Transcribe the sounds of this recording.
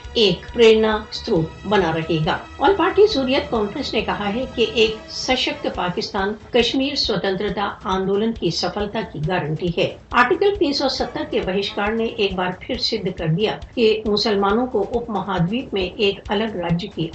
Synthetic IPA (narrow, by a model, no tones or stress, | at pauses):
eːkpɾeːɾnast̪ɾuːpbɐnaɾɐɦeːɡa̰ː | ɔːɾpaːɾʈisuːɾijət̪̚kɔ̃ːnfɾə̃nsnekɐɦaɦɛkeʔeːksɐʃək̚t̪ʰpaːkɪst̪aːnkɐʃmiːɾswɐt̪ə̃nt̪ɾət̪aãːnd̪oːlənkisɐfəlt̪akiɡaːɾə̃ɳʈiɦɛːaːɾʈikəlp̪ĩːnsɔsɐt̪ːəɾkebɐɦɪʃkaːɾneʔeːk̚baːɾpʰɪɾsɪd̪ʱːkɐɾd̪ijakemʊsəlmaːnõkoʔʊpmɐɦaːd̪ʋiːkmẽʔeːkɐləɡɾaːd͡ʒjəki